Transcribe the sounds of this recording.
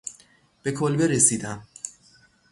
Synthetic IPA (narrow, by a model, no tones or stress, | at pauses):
b̥e̞kʰolbeɾesiːd̪æm